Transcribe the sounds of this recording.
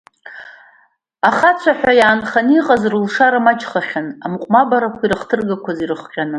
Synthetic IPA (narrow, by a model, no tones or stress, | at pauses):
aχat͡sʷʰaħʷᶣajaːnχaniqʼazrulʂaɾamat͡ʃʰʼχaχʲanamqʷʼmabaɾakʷʰiɾɨχtʰɨrɡakʷʰazirɨχqʲʼanɨ